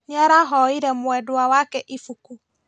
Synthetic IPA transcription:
ɲaɾaɦɔiɾɛmwɛduawakɛʔifuku

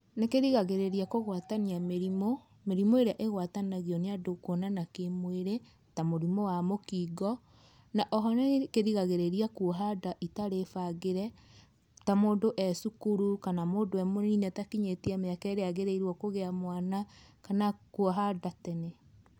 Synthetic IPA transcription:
nekeɾiɣaɣeɾeɾiakoɣwataniameɾimo | meɾimoeɾeaʔeɣwatanaɣiɔneadokwɔnanakemweɾe | tamoɾimowamokiɡɔ | naʔɔɦɔnekeɾiɣaɣeɾeɾiakuɔɦadaʔitaɾefaɣeɾɛ | tamoːndoʔɛsukuɾukanamoːdoɛmoninɛtakiɲetiameakɛːɾeaɣeɾeiɾwɔkoɣeamwanakanakuɔɦadatɛnɛ

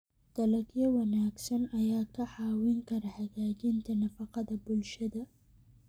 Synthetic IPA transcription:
d̪̥ɐlɐɡjɐwɐnaːɡsɐnɐjaːkʰɐħɑːwɪŋkʰɐɾɐħɐɣaːd͡ʒɪnt̪ʰɐnɐfɐqɑðɐbʊlʃɐðɐ

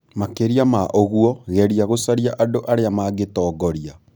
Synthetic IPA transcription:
makeɾiamaʔoɣwɔɣɛɾiaɣosaɾiaʔadoʔaɾeamaɡetɔːɡɔɾia

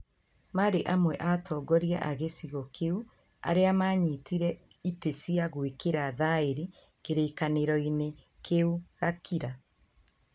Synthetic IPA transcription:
maːɾeʔamwɛʔatʰɔːɡɔɾia̰ʔaɣesiɣɔkʰeu | a̰ɾeamaːɲitiɾɛ | itesiaɣwekeɾaðaeɾi | keɾeːkaneɾɔine | kʰeuɣakʰiɾa

